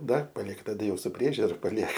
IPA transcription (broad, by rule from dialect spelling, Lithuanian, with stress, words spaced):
ˈdɐr pɐˈlʲiɛk tɐˈdɐ ˈjɛʊ sʊ ˈpʲrʲiɛʒʲʊrɐ pɐˈlʲiɛk